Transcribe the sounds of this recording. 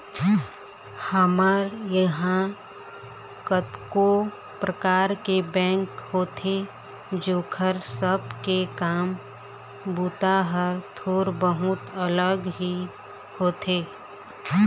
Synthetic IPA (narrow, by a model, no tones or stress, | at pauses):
həmaːɾjəɦã | kət̪ko | pɾəkaːɾkebɛ̃ːŋkhoːt̪ʰe | d͡ʒoːkʰəɾsəbkekaːm | buːt̪aɦəɾt̪ʰoːɾbəɦʊt̪ələɡɦi | hoːt̪eː